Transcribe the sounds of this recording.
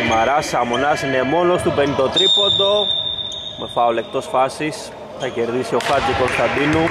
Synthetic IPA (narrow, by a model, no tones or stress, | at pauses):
mɐɾɐsɐmonɐsinemo̞no̞st̪upenit̪o̞t̪ɾipo̞nd̪o̞ | mefɐole̞kt̪o̞sfɐsis | θɐce̞ɾðisio̞xɐt̪uko̞st̪ɐnd̪inu